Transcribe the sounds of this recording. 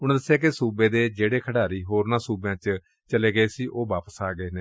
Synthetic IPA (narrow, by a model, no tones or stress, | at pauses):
ʊɽ̃d̪əsːejaːk̬esuːbẽːd̪eːd͡ʒeːɽeːkʰəɽaːɾiːɦoːɾnãːsuːbjãːt͡ʃ | t͡ʃəleːɡəeːsiːʔoːʋaːpəsaːɡəeːnẽː